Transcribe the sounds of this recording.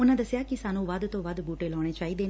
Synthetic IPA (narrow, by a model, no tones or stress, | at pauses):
ʊnãːd̪ɐsjaːkisaːnũːʋəd̪t̪õːʋəd̪buːʈeːlɔːɽ̃et͡ʃaːiːd̪eː